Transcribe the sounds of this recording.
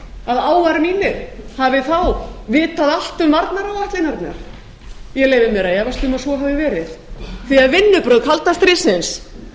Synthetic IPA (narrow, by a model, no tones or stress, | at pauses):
aðaːwvaɾmiːnɪɾ̥havɪθawvɪːt̪aðal̥t̪ʏmvaɾt̪naɾawaht̪lɪnaɾt̪na̰ɾ̥ | jɛɣleːjvɪmɛɾajɛvast̪ʏmasvɔɦavɪvɛːɾɪðθiaðvɪnːʏpɾœðkʰalt̪ast̪ɾɪsɪns